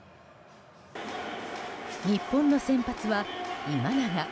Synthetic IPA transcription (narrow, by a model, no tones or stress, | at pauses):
ɲ̟ipːõ̞nːo̞sẽ̞mpat͡sɨβaimanaɡa